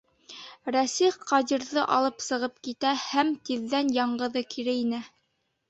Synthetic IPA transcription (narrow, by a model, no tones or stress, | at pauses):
ɾæsiχqɑd̪iɾðɤʔɑlˠɤpsɤ̆ʁɤp̚kit̪æhæmt̪iðːænjɑɴɢɤ̆ðɤkʰiɾɘinɘ